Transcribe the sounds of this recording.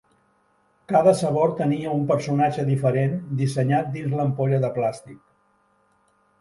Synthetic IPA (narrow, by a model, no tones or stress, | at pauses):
kaðəsəβoɾt̪əniəumpəɾsunad͡ʒəðifəɾend̪isəɲat̪̚d̪inzləmpoʎəðəplast̪ik̚